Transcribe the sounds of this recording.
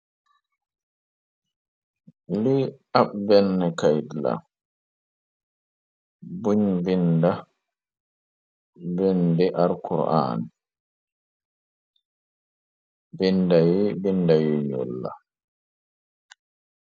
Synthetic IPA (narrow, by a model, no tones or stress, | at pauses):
liabbɛnːɛkajdla̰ | buɲvinda | bɛndɛʔaɾkʰuɾʔa̰ːn | vindajibindajiɲɔ̰lːa̰